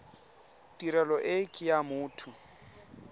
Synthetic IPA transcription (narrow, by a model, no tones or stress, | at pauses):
tʼiɾɛlɔʔɪkʼɪjamʊːtʰʊ